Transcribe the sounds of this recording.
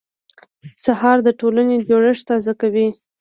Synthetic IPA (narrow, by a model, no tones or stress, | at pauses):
sahɑɾd̪əʈolaned͡ʒoɽəʂt̪ɑzakawi